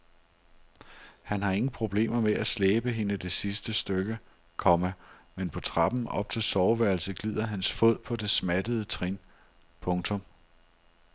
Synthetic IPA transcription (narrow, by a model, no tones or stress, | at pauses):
hænɦɑ̈e̝ŋn̩pʰʁo̝b̥le̝̰ːm̰ɐmeʔæsleːb̥əɦe̝nəd̥e̝sisd̥əsd̥øɡ̥ə | kʰɒ̽mæmenpʰɒ̽t͡sʰʁɑ̈b̥n̩ɒ̽b̥̚t͡sʰe̝lsɒʊʋæɐ̰l̩səɡ̥lið̞̰ˠɐɦænsfo̝ð̰ˠpʰɒ̽d̥e̝smæd̥əð̩ˠət͡sʰʁin | pʰɔ̽ŋt͡sʰɔ̽m